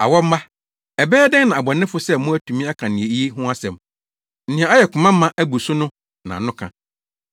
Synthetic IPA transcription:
a̰˨wɔ˦m̩˦ba˦ | ɛ˨bɛː˦dɪ̃˦nã˨a˨bɔ˨nɪ̃˦fʊ˦sɛ˦mʊ̃˦æ˦tʰũ˨mĩ˦a˦kʰã˨nɪ̃˨e˨i˦e˦ɦʊ̃˦a˦sɛ̃˨m | n̩˦nɪ̃˨ã˨a˦jɛ˨kʰʊ̃˨mã˦m̩ː˦ã˦ʔæ˦bu˨sʊ˦nʊ̃˦ | nã̰˨nʊ̃˦kʰã˨

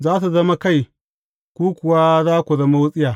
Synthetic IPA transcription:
zaː˦t̬a˨za˦ma˦ka˦i˨ | ku˦ku˨wa˦za˦ku˨za˦ma˦wu˦t͡sʼi˦ja˨

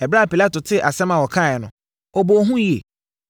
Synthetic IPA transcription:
ɛ˨bɾa˦˨pi˨la˦tʊ˨tʰɪ˦ʔa˨sɛ̃˦mã˨wɔ˨kʰã˦˨ɛ˨nʊ̃˨ | ɔ˨bo˨˦ɦũ˦ji˨ḛ˨

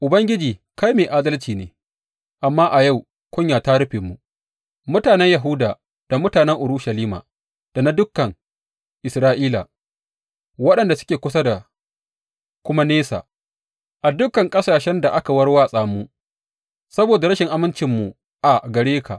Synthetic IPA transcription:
ʔʊ˨bɐ˦ŋɡʲɪ˦d͡ʒiː˨ | ka˦jmeː˨ʔaː˦dɐ˦lt͡ʃiː˨neː˨ | ʔa˨mːaː˦ʔa˨ja˦˨w | kʷʊ˦ɲjaː˨ta˦ɽʊ˦ɸeː˨mːu˨ | mʊ˦taː˨nɛ˦ɲjɐ˨ɦʊ˦daː˨ | d̥a˨mʊ˦taː˨nɛ˦ŋʔʊ˨ɾʊ˦ʃɐ˨liː˦ma̰ː˨ | d̥a˨na˦dʊ˦kːɐ˨ŋ | ʔɪ˨sɾaː˦ʔiː˦la̰ː˨ | wɐ˦ɗɐ˨nda˨sʊ̥˦kʲeː˨kʷʊ˦s̬ɐ˦da˨ | kʷʊ˦ma˦neː˦sa̰ː˨ | ʔa˨dʊ˦kɐ˨ŋkʼɐ˦saː˨ʃɛ˦nda˨ʔa˦ka˨wɐ˦ɽwaː˦˨sʼaː˨muː˦ | sɐ˦boː˨da˨ɾɐ˦ʃɪ˨ŋʔa˦mɪ˦nt͡ʃɪ˨mːu˨ | ʔa˨ɡɐ˨ɽeː˦kʰa̰˨ʔ

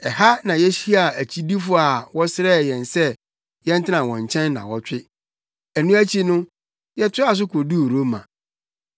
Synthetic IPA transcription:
ɛ˨ha˦nã˨jɛ˦ɕi˦a˨æ˨t͡ɕʰi˦di˦fʊ˦a˨wɔ˦sɪ˦ɾɛ˦˨jɛ̃˨nsɛ˦ | jɛ̃˦n˦tʰɪ˦nã˨wɔ̃˨ɲ˨t͡ɕʰɛ̃˦nːã̰˨wɔ˦t͡ɕᶣɪ˦ | æ˨nũ˦æ˦t͡ɕʰi˦nʊ̃˦ | jɛ˦tʰʊ˦a˨s̬ʊ˦kʰo˨du˦˨ɾo˦mã̰˨

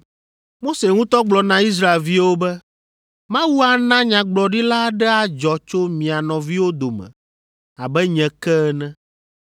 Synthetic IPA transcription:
mo˦se˨ŋũ˦t̪ɔ˦ɡ͡blɔ˨nã˦i˦s̬ɾa˦e˨lvi˦wo˦bɛ˦ | mã˦wu˦a˨nã˦ɲã˨ɡ͡blɔ˨ɖi˦la˦ɖɛ˦a˨d͡ʒɔ˨t͡ʃo˦mĩ˨a˨nɔ̃˨vi˦wo˦d̪o˨mɛ̰̃˨ | a˨bɛ˦ɲɛ̃˨kɛ˦nɛ̃˦

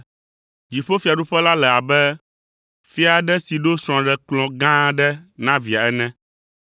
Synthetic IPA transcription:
d͡ʑi˨ɸo˦fi˨a˨ɖu˦ɸɛ˦la˦lɛ˨a˨bɛ˦ | fi˦a˨ɖɛ˦si˨ɖo˦sɾ̃ɔ̃˨ɖɛ˨klɔ̃˨ɡã˦ɖɛ˦nã˦vi˨a˨ɛ˦nɛ̃˦

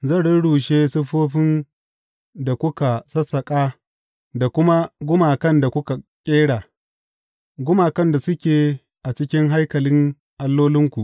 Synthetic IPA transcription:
zɐ˦˨ɽɪ˦nɽuː˨ʃeː˦sʊ˦ɸoː˦ɸɪ˦n | da˨kʷʊ˦ka˨sɐ˦sɐ˨kʼaː˦ | da˨kʷʊ˦ma˦ɡʷʊ˦maː˨kɐ˦˨nda˨kʷʊ˦ka˨kʲʼeː˦ɽaː˨ | ɡʷʊ˦maː˨kɐ˦nda˨sʊ˦kʲeː˨ | ʔa˨t͡ʃɪ˦kʲɪ˦ŋɦa˦jkɐ˨lɪ˦ŋ | ʔa˨lːoː˦lɪ˦ŋkʷu˨ʔ

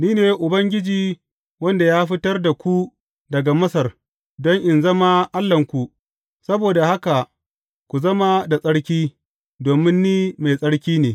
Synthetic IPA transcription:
niː˦neː˨ʔʊ˨bɐ˦ŋɡʲɪ˦d͡ʒiː˨ | wɐ˦nda˨jaː˦ɸɪ˦tɐ˦rda˨kʷu˦ | dɐ˨ɡa˨mɐ˦sɐ˨r | dɔ˦ŋʔɪ˨nzɐ˦ma˦ʔa˦lːɐ˨ŋkʷu˨ | sɐ˦boː˨da˨ha˦ka˨ | kʷu˨zɐ˦ma˦da˨sʼɐ˦ɽkʲiː˦ | doː˨mɪ˦nːiː˦ma˨jsʼɐ˦ɽkʲiː˦neː˨

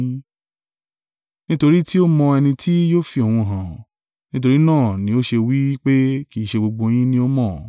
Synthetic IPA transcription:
nĩ˦to˧ɾi˦ti˦o˦mɔ̃˧ɛ˧nĩ˧tʰi˦joː˦fi˧o˨wũ˧˨ɦã˨ | nĩ˦t̬o˧ɾi˦nãː˦˨nĩ˨˦o˦ʃe˧wi˦k͡pe˦ki˦˨ʃe˧ɡ͡bo˧ɡ͡bo˧j̃ĩ˦nĩ˦o˦mɔ̃˦˨

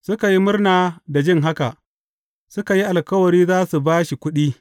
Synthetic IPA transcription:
sʊ˦ka˨ji˦mʊ˦rnaː˨da˨d͡ʒɪ˦ŋɦa˦ka˨ʔ | sʊ˦ka˨ji˦ʔa˨lkɐ˦wɐ˨ɽiː˦zaː˦su˨baː˦ʃi˨kʷʊ˦ɗiː˦

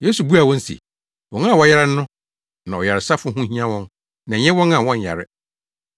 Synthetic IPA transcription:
je˦su˨bu˦a˨wɔ̃˦n̩˦sḭ˨ | wɔ̃˨nã˦˨wɔ˨˦jɛ˦ɾɪ˦n̩˦nʊ̃˦ | nã˨ɔ˨ja˨ɾɪ˨sa˦fʊ˦ɦũ˦hĩ˦ã˦wɔ̃˦n | nã˨ɲɛ̃˦wɔ̃˦nã˨wɔ̃˦ɲ̩˨a̰˨ɾɪ˦

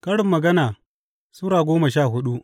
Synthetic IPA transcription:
kɐ˦ɽɪ˨mːɐ˨ɡɐ˦naː˨ | suː˦ɾaː˨ɡʷoː˦mɐ˨ʃaː˦˨ɦʊ˦ɗu˦ʔ

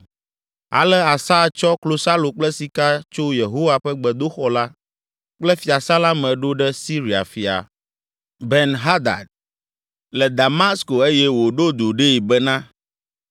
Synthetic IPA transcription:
a̰˨lɛ˦a˨sa˦˨t͡ʃɔ˦klo˨sa˦lo˨k͡plɛ˦si˨ka˦t͡ʃo˦je˨ɦo˦wa˨ɸɛ˦ɡ͡bɛ˨d̪o˦xɔ˨la˦ | k͡plɛ˦fi˨a˨sa˦la˦mɛ̃˨ɖo˦ɖɛ˦si˦ɾi˨a̰˨fi˨a̰˨ | bɛ˨nɦa˦d̪a̰˨d̪̚ | lɛ˨d̪a˨ma˦sko˨e˦jɛ˦wo˨ɖo˦d̪o˨ɖe˦i˨bɛ˦nã˦

